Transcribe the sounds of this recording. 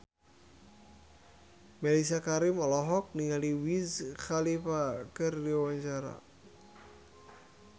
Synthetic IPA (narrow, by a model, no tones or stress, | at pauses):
mɛlis̬akaɾimɔlɔɦɔk̚niŋaliwizxalifakɨrdiawaɲt͡ʃaɾa̰